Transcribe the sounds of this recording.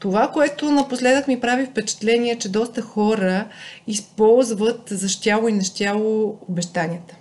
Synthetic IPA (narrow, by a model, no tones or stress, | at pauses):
t̪ovakoɛt̪ʊnɐposlɛd̪əkmipɾavifpɛt͡ʃɛ̥t̪lɛnʲiɛt͡ʃɛd̪ɔst̪əxɔɾəispɔlˠzvət̪zɐʃt̪ʲalˠʊinɐʃt̪ʲalˠoːbɛʃt̪anʲiət̪ə̥